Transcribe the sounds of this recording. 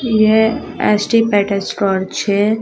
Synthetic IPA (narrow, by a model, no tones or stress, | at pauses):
je | ɛ̰sʈipɛʈesʈɔɾt͡ʃʰe